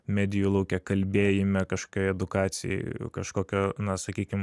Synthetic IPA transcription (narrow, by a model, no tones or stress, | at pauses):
mʲæːd̪ʲɪjulˠɐʊkʲɛkɐlʲbʲeːjɪmʲɛkɐʃkokʲoɛd̪ʊkɑːt̪sʲɪjɛ̰kɐʃkoːkʲoːnɐsɐkʲiːkʲɪm